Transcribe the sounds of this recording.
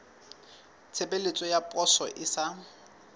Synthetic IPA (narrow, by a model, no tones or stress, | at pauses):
t͡sʰebelet͡sʼɔjapʼɔsɔʔɪsa